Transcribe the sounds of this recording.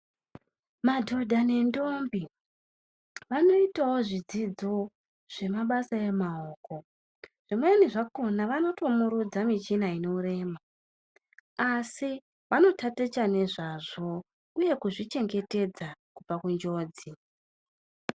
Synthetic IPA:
madʱo̞dʱane̞ndo̞mbi | ʋano̞itawo̞ʐid͡zid͡zo̞ | ʐ̥e̞maɓasaje̞maoːko̞ | ʐ̥imweniʐako̞naʋano̞to̞muɾud͡zamit͡ʃinaino̞ure̞ːma | asi | ʋano̞tatet͡ʃane̞ʐaʐo̞ | uje̞kuʐit͡ʃe̞ŋɡe̞te̞d͡zakupakund͡ʒo̞ːd͡zi

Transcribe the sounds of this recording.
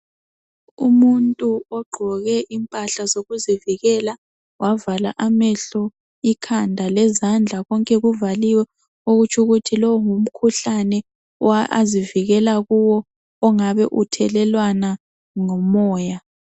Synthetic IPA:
umuntʼuɔɡ͡ǃʱɔɣɛʔimpʼaɬazoɣuziviɣɛla | wʔavalaʔamɛɬɔ | ikʰandʱalɛzand͡ɮʱaɣɔŋkʼɛɣuvaliwɛ | oɣut͡ʃʰʼuɣutʰilɔwɔŋum̩kʰuɬanɛ | waʔa̰ziviɣɛlaɣuwɔː | ŋaβɛʔutʰɛlɛlwana | ŋɔmɔːja

